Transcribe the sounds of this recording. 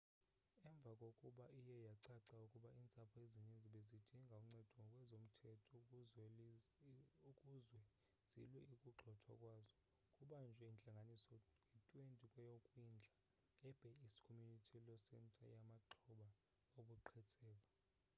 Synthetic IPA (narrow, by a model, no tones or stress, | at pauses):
ɛɱb̪vʱakʼokʼuɓaʔijɛjaǀaǀaukʼuɓaint͡sʼapʰɔeziɲend͡zʱiɓezid̥ʱiŋɡʱauŋ͡ǀɛd̥ʱɔkʼwɛzom̩tʰɛtʰɔ | ukʼuzwɛ | z̥ḭlwɛikʼuɡ͡ǃʱɔtʰa̰kʼwazɔ | kʼuɓand͡ʒʱwɛint͡ɬʼaŋɡʱanisɔjitʼwentʼikʼwɛjokʼwind͡ɮʱa | ɛb̥ʱɛisi̥kʰomjunitʰilɔsɛntʼa̰jamaǁʰuɓa | oɓuǃʰɛtʰʼɛːɓa